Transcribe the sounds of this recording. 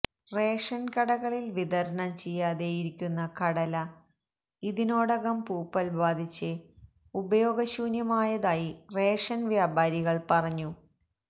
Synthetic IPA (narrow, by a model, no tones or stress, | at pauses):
re̞ːʂɐnkɐɽɐɣɐɭilʋiðɐɾɐnɐmt͡ɕejːaːðejiɾikʲːunːɐkɐɽɐlɐ | iðino̞ːɽɐɣɐmpuːpːɐlʋaːd̪ʱit͡ɕːɨ | ubɐjo̞ːɡɐɕuːnjɐmaːjɐðaːjire̞ːʂɐnʋjaːbʱaːɾiɣɐɭpɐrɐɲːu